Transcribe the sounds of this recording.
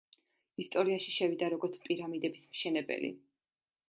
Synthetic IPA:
ist̪ʼɔɾiaʃiʃɛvid̪aɾɔɡɔɾt̪sʰpʼiɾamid̪ɛbismʃɛnɛbɛ̰lḭ

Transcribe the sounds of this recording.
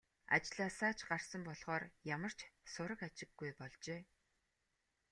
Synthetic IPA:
a̰t͡ɕɮaːsaːt͡ɕɢarsə̆mpɔɮʁ̥ɔːrjamə̆r̥t͡ɕʰsʊɾə̆kat͡ɕɪ̆ɡːujpɔɮt͡ɕeː

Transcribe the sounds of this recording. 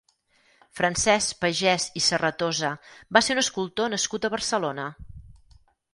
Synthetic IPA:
fɾənsɛspəʒɛsisərət̪ozəbaseɾunəskulˠt̪onəskut̪əβərsəlonə

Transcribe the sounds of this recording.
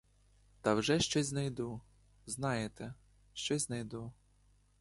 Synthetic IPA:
t̪ɐwʒɛʃt͡ʃɔzʲznɐjd̪u | znɑjet̪ɛ | ʃt͡ʃɔzʲznɐjd̪u

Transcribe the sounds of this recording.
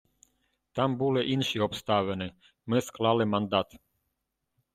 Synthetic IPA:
t̪ambulɛʔinʃiɔpst̪aʋɛnɛ | mɛsklˠalɛmand̪at̪

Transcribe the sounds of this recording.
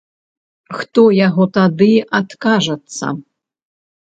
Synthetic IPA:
xt̪ɔjaɣɔt̪ad̪ɨat̪kaʐɐt̪sːɐ̰

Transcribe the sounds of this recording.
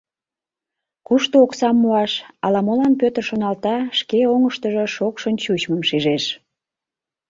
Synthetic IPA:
kuʃt̪ooksɑmːuɑʃɑlɑmolɑnpøt̪ərʃonɑlt̪ɑʃkeoŋəʃt̪əʒoʃokʃənt͡ɕut͡ɕməmʃiʒeʃ

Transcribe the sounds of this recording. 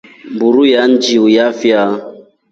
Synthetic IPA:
mbuɾujan̩d͡ʒiujafja

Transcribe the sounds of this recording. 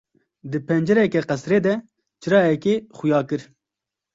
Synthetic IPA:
d̪ɨpʰɛnd͡ʒɛɾɛkɛqɛsɾeːd̪ɛ | t͡ʃɨɾɑːjɛkeːχujɑːkɨɾ

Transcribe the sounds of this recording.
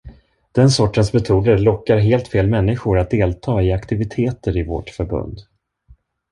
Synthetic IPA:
d̪̥ɛnsɔʈːənsmɛt̪ʰuːd̪əɾlɔkːaɾɦeːlt̪feːlmɛnːɪɧʊɾat̪̚d̪eːlt̪ʰɑːɪakt̪ɪvɪt̪ʰeːt̪əɾɪvɔ̰ʈfœɾbɵ̰nd̪

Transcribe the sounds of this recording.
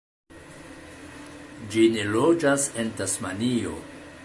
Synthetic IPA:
d͡ʒinelo̞d͡ʒase̞ntasmanio̞̰

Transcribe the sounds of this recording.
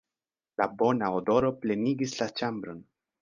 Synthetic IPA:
labonaod̪oɾopleniɡislat͡ʃambɾon

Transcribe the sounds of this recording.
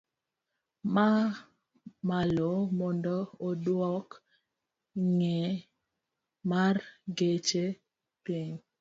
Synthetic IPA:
ma | malomɔndɔːdwɔk | ŋɛ | marɡet͡ʃe | piɲ

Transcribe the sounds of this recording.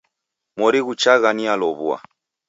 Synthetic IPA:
mɔɾiɣut͡ʃaɣanialɔβua̰

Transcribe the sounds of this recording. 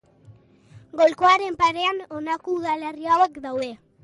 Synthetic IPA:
ɡo̞lko̞aɾe̞mpaɾe̞ano̞nakouðale̞riawekd̪awðe̞

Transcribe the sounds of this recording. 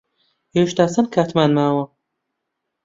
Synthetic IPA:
eʃt̪aːsɐnkʰaːt̪ʰmaːnmaːwɐ

